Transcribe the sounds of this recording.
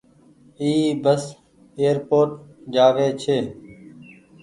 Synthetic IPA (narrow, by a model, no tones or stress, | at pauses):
iːbəs | eːəɾpoːɾʈd͡ʒaːʋeːt͡ʃʰeː